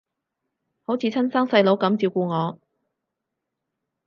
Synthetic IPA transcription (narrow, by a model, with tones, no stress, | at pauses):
ho˨˥wt͡sʰiː˨˧t͡sʰɐ˥nsaː˥ŋsɐ˧jlo˨˥wkɐ˨˥mt͡siː˧wkuː˧ŋɔː˨˧